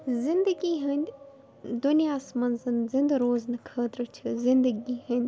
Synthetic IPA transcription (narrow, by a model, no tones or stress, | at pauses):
zɪ̃nd̪əɡiɦənʲd̪ʲ | d̪unijaːsmɐnzɐnzɪ̃nd̪ɾoːznɨkʰəːt̪ɾət͡ʃʰɨzɪnd̪əɡiːɦənʲd̪ʲ